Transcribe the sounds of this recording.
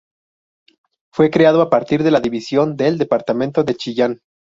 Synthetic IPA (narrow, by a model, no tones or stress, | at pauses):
fwe̞kɾeað̞oapaɾt̪iɾðe̞laðiβisjo̞nd̪eld̪e̞paɾt̪amẽnt̪o̞ðe̞t͡ʃiʝan